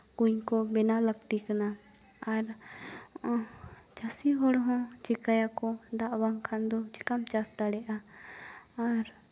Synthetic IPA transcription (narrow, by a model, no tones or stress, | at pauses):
kuɲkɔbɛnaləkʈ̪ikanaː | ɾ | t͡ʃasiɦɔɽɦɔ̃t͡ʃikajakɔd̪aʔbaŋkʰand̪ɔt͡ʃikamt͡ʃast̪aɽɛʔaː | ɾ